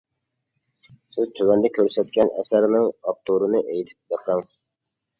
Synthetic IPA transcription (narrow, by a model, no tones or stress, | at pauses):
sɪzt̪ʰøwɛnd̪ɛkʲʰøɾsɛt̪̚kʲɛnʔɛ̰sæɾnɪŋɑp̚t̪ʰoɾɨnɨʔejt̪ʰɪ̥p̚jəqʰəŋ